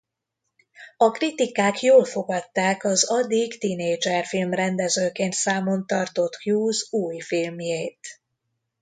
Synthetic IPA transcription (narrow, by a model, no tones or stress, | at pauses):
ɒkrit̪ikaːkjoːlfo̞ɡɒt̪ːaːkɒzɒd̪ːiɡt̪ineːd͡ʒɛrfilmrɛnd̪ɛzøːkeːnt̪saːmo̞nt̪ɒrt̪o̞t̪kjuːzuːjfilmjeːt̪